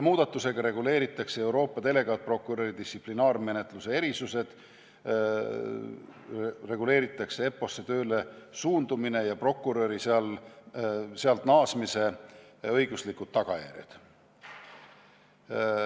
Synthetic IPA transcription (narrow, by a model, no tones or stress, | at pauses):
muːd̪̥ɑt̪ˑːuse̞ɡ̥ɑɾe̞ɡule̞ːɾit̪ːˑɑksee̞wɾo̞ːpːˑɑt̪e̞le̞ɡ̥ɑt̪̚pro̞kːˑuɾøɾid̪̥ist̪iplinɑːrme̞ne̞t̪ˑluse̞e̞ɾisuse̞d̪̥ | re̞ɡule̞ːɾit̪ːˑɑkse̞e̞pːo̞sːe̞t̪ø̞ːle̞suːnd̪umine̞jɑpro̞kːuɾø̞ɾiseɑl | seɑlt̪nɑːsmise̞ɤ̞jɡ̥uslikːˑud̪̥̚t̪ːɑɡ̥ɑjæ̰ɾjḛd̪̥